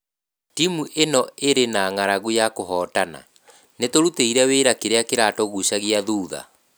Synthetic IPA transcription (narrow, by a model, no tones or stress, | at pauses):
timuʔenɔeɾenaːŋaɾaɣujakoɦɔːtana̰ | netoɾuteiɾɛweɾakeɾeakeɾatɔɣuɕaɣiaðuːða̰